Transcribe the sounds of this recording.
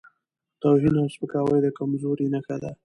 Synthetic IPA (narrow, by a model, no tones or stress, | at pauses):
t̪awɦinʊspəkɑwəjd̪əkamzoɾinaxad̪a